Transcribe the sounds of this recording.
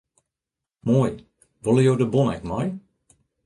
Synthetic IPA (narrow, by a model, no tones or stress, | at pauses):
moj | ʋɔlˠəjoːdəbɔnɛkmɔj